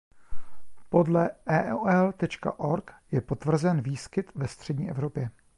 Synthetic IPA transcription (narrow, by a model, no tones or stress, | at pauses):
po̞dlɛʔɛːʔɛlt̪ɛt͡ʃka̰ʔo̞ɾkjɛpo̞t̪vr̩zɛnviːskɪt̪vɛst̪r̝̥ɛdɲiːʔɛvɾo̞pjɛ